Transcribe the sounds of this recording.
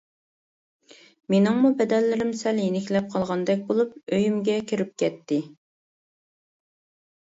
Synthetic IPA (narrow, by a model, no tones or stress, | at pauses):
menɪŋmubɛd̪ɛlːɪɾɪmsɛljenɪkʲlɛp̚qʰɑlˠʁɑnd̪ɛk̬̚ʲbolˠup̚øjymɡʲɛkʲʰiɾɪp̚kʲʰɛt̪ʰːɪ